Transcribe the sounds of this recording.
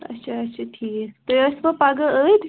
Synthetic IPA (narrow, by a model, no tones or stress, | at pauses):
ə̰ɕʰaːt͡ʃʰat̪ʰiːt̪əəspəpaɡəəjt̪